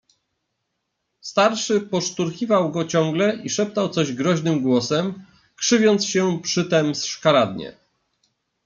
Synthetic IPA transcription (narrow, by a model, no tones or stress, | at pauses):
st̪aɾʂɘpɔʂt̪uɾkʲivawɡɔt͡ɕɔŋɡlɛʔiʂɛp̚t̪awt̪sɔʑɡɾɔʑnɘmɡwɔsɛm | kʂɘvʲɔnt̪sɕɛpʂɘt̪ɛmsʂkaɾad̪ɲɛ̰